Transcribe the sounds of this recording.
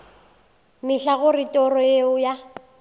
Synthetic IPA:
mɪɬaɣʊrɪtʼɔrɔeʊja

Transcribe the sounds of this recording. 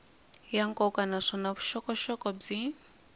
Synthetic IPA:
jaŋkʼɔkanaʂɔnaβuʃɔkɔʃɔkʼɔb͡ʐi

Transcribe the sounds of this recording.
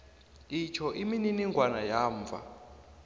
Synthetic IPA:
it͡ʃʰɔʔimininiŋɡwanajaːɱvʱa̰

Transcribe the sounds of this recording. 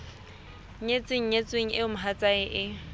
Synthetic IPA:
ɲet͡sʼwɪŋ̩ɲet͡sʼweŋ̩ɪʊmʊɦat͡sʼaɪʔɪ

